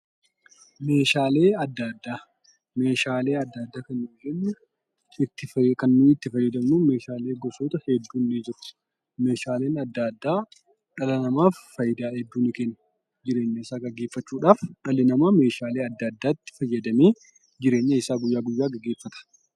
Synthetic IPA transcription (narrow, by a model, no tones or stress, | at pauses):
meːʃaːle̞ːɐd̪ːaːd̪ːaː | me̞ːʃaːleːɐd̪ːaːd̪ːaːkɐnːʊlɛnːʊ | ɪt̪ːɪkɐnːuːɪt̪ːɪfɐjːɐd̪ɐmnuːme̞ːʃaːleːɡɔsoːt̪ɐhɛd̪ːuːnːɪd͡ʒɪɾʊ̥ | me̞ːʃaːleːnɐd̪ːaːd̪ːaː | ᶑɐlɐnɐmaːfːɐjːɪd̪aːhɛd̪ːuːnɪkɛnːɐ̥ | d͡ʒɪɾe̞ːɲːɐɪsaːɡɐɡeːfːɐt͡ʃːuːᶑaːfᶑɐlɪnɐmame̞ːʃaːleːɐd̪ːɐd̪ːaːɪt̪ːɪ̥fɐjːɐd̪ɐmeː | d͡ʒɪɾeːɲːɐɪsaːɡʊjːaːɡʊjːaːɡɐɡe̞ːfːɐt̪ɐ̥